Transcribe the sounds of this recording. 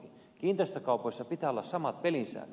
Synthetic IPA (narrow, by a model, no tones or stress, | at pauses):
i | kiːnt̪ost̪ɑkɑˑupoisːɑpit̪æːolːɑssɑmɑt̪̚pelinsæ̰ːnːø